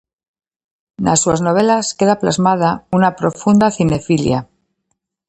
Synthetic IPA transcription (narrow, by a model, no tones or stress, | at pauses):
na̰suaznoβ̞e̞laske̞ðaplazmaðaunapɾo̞fund̪aθine̞filja